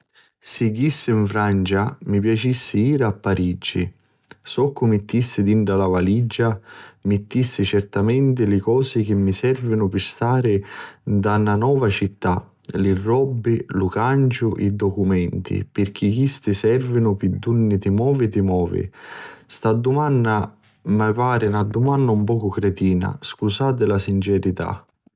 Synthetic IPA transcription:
sɪɡisːɪiɱfɾant͡ʃamipjat͡ʃisːɪiːɾaapːaɾid͡ʒḭ | sɔkʰːʊmɪt̪ːisːɪd̪iɳʈalavalid͡ʒːamɪt̪ːisːɪt͡ʃɛrt̪amɛnt̪ɪlɪkɔːsɪk̟ɪmːisɛrvɪnʊpɪst̪aːɾɪd̪anːanɔːvat͡ʃit̪ːa | lɪrːɔbːɪlukant͡ʃʊʔid̪ːɔkumɛnt̪ḭpɪrk̟ʰikist̪ɪsɛrvɪnʊpɪd̪ːunːɪt̪ɪmɔːvɪt̪ɪmɔːvɪ̰st̪ad̪ːumanːa | mapaːɾɪnad̪ːumanːaumpɔːkʊkɾɛt̪iːna̰skusaːt̪̬ɪlasint͡ʃɛɾit̪a̰

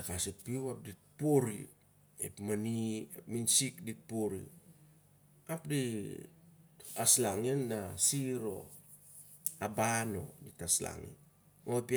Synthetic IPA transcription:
akasit̚piwap̚dit̚poɾḭ | ḛpmaniminsikdit̚poɾḭ | apdi | aslaŋinːasiɾo̞̰ | abano̞̰ditasla̰ŋḭ | opi

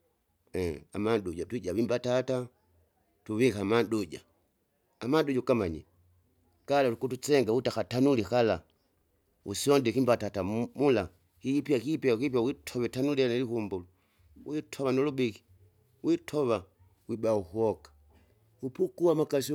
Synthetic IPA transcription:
ɛamaduɟatwiɟaβimbatata | tuβikamaduɟa | amanduɟakamaɲḭ | kalatukutut͡ʃɛŋɡautakatanulikala | usiɔndɛkimbatatamula | kipjakipiakipjawitʰɔβɛtanulianalikumbulu | witʰɔβanɔlubiki̥ | witʰɔβa | wibauhuɔkḁ | upukuamakasi

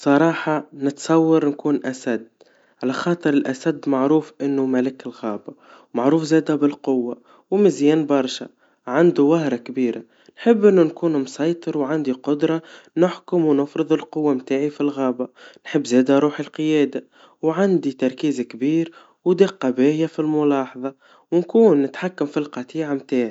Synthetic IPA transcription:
sˤɑɾˤɑːħɑnɪt̪sˤɑwːɑɾˤnkuːnʔasad̪ː | ʕalaxɑːt̪ˤɨɾɪlʔasad̪ːmaʕɾuːfʔɪnːʊmalɪkɪlɣɑːba | wmaʕɾuːfzeːd̪abɪlqʊwːa | wmɪzjɛːnbɑɾˤʃa̰ | ʕand̪uwahɾˤɑkbiːɾʔa | nħɪbːʔɪnːʊnkuːnmsɑjt̪ˤɨɾwʕand̪iqʊd̪ɾˤɑnʊħkʊmwnɪfɾɨðˤɪlqʊwːamt̪aːʕifilɣɑːbanħɪbːzɛːd̪aɾˤuːħilqəjɛːd̪a | wʕand̪it̪ɑɾˤkiːzkbiːɾ | wd̪eqːɑbɛːjafilmʊlɑːħɑðˤɑ | wnkuːnːɪt̪ħakːamfilqɑt̪iːʕamt̪aːʕi

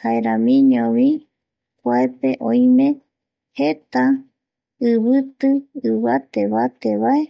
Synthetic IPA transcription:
haeɾãmĩɲõʋi | kʷaepe̞ʔõj̃mẽ̞ | he̞t̪a | ɨβɨt̪ɨɨβat̪eβat̪eβae

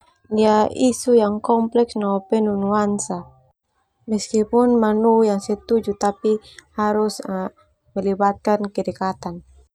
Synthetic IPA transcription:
diaʔisujaŋkɔmplɛksnɔpɛnunuansa | mɛskipunmanujaŋsɛt̪ud͡ʒut̪apihaɾus | mɛlibat̪̚kankɛdɛkat̪an

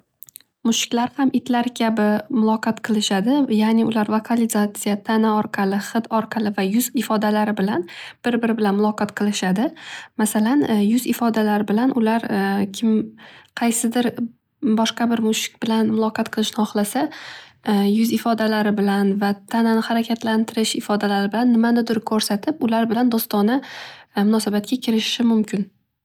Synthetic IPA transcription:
mʊʃɪ̥kʲlaɾhamʔɪt̪laɾkʲʰabɪmʊlˠɒqʰɑt̪qʰɨlˠɪʃad̪ɪjanɪʊlaɾvokʰalɪzat̪sɨjat̪ʰanaɒɾqʰɑlɪχɨt̪ɒɾqʰɑlˠɪvajʊzɪfɒd̪alaɾɪbɪlanb̥ɪɾbɪɾɪbɪlanmʊlˠɒqɑt̪qʰɨlˠɪʃad̪ɪmasalanjʊzɪfɒd̪alaɾɪbɪlanʔʊlaɾkʲʰɪmqʰɑjsɪd̪ɪɾ | bɒʃqɑbɪɾmʊʃɪ̥k̚ʲb̥ɪlanmʊlˠɒqʰɑt̪̚qʰɨlˠɪʃnɪhɒχlˠasa | jʊzɪfɒd̪alaɾɪbɪlanvat̪ʰananhaɾakʲʰat̪ʰlant̪ʰɪɾɪʃɪfɒd̪alaɾɪbɪlanːɪmanɪd̪ʊɾkʰɵɾsat̪ʰɪpʊlaɾbɪland̪ost̪ɒnɪmʊnɒsabat̪̚kʲakʲʰɪɾɪʃɪ̥ʃɪmʊmkʲɪn

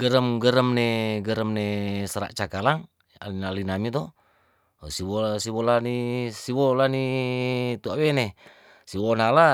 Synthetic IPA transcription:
ɡəɾəmɡəɾəmneɡəɾəmnesəɾa̰ʔt͡ʃakalaŋ | a̰linalinamit̪ɔ | siwosiwolanisiwolani | t̪uawene | siwonala

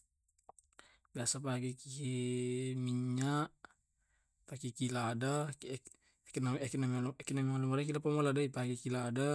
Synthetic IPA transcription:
biasapaɡiki | miɲaʔ | pakikilaːda | knakinamlkinamialamaɾakilapamoladaipaɡikilaːda

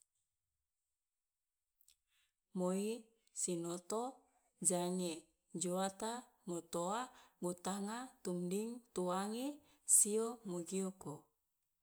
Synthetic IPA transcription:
moi | sinot̪o | d͡ʒaŋe | d͡ʒoat̪a | mot̪oabut̪aŋat̪umdiŋt̪uaŋe | siomoɡioko

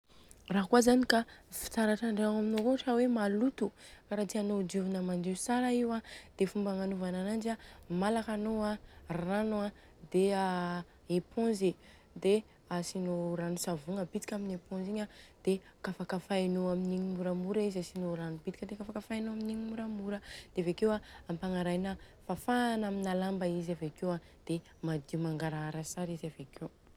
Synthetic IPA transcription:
raɦkuazanikafi̥t͡saɾaʈ͡ʂaɳɖ͡ʐawaminokuʈ͡ʂawemalut̪ukaɾat̪ianod͡ʒuvunəmand͡ʒisaɾaiwad̪̥efumbaŋanuvananand͡ʒamalakanoaranua | d̪ea | epʰõnzi | d̪e | asinoɾanusavuŋəbit̪i̥kʲaminepõnziɲad̪̥e | kafakəfaenoaminiɲimuɾamuɾaizasinoɾanubit̪i̥kʲəd̪ekafakəfajnoaminiɲimuɾamuɾəd̪̥eavekewaampaŋaɾajna | fafaːnaminalambəizavekewa | d̪̥e | mad̪iumaŋɡaɾaaɾasaɾizavekʰew

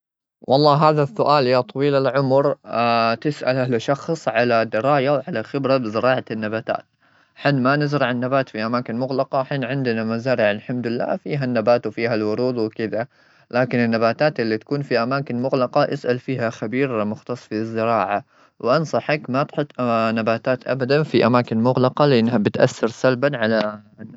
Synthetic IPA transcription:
wʔɑlˤːɑːɦaːðasːʊʔaːljaːt̪ˤɑwiːlalʕʊmɾt̪ɪsʔa̰lʔalʃɑxsˤʕalad̪ɪɾˤɑːjawʕalaxɪbɾabɪzɪɾɑːʕanːabaːt̪a̰ːt̪ | ħɪnmanɪzɾɪʕanːabaːt̪fiʔamaːkɪnmʊɣlɑqɑwħiːnʕɪnd̪ɪnamazaːɾɪʕalħamd̪ɪlːa̰ːfiːɦanːabaːt̪wfiːɦalwʊɾuːd̪wɪkɪd̪a | laːkɪnɪnːabaːt̪aːt̪ʔɪlːit̪ḁkuːnfiʔamaːkɪnmʊɣlɑqɑʔɪsʔalfiːɦaxabiːɾmʊxt̪ɑsˤfizːɪɾɑːʕa | wʔɑnsˤɑħakmat̪ħʊt̪ːˤnabaːt̪aːt̪ʔa̰bad̪anfiʔamaːkɪnmʊɣlɑqɑlɪʔɪnːɦabɪt̪ʔa̰sːɑɾsalbanʕala

